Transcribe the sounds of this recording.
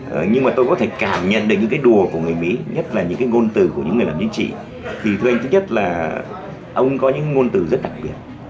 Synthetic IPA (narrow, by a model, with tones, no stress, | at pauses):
ə˨˩ɲɨ˧ŋmaː˨˩t̪o˧jkɔ˨˦t̪ʰe˧˩kaː˧˩mɲə̰˧˨nɗɨ˨˩k̚ɲɨ̰˧˥ŋkːjɗu˨˩əku˧˩əŋɨ˨˩əjmḭ˧˥ɲə˦˥t̚laː˨˩ɲɨ̰˧˥ŋkaː˨˦jŋo˧nt̪ɨ˨˩ku˧˩əɲɨ̰˧˥ŋːɨ˨˩əjlaː˨˩t͡ɕḭ˧˦ŋt͡ɕḭ˧˨ | t̪ʰi˨˩t̪ʰɨ˧ʔa˧jŋt̪ʰɨ˨˦ɲə˦˥t̚laː˨˩ | ʔə˧wŋ͡mkɔ˨˦ɲɨ̰˧˥ŋkːa˨˦ŋo˧nt̪ɨ˧˩zə˦˥t̚ɗa˨˩k̚ɓi˨˩ət̚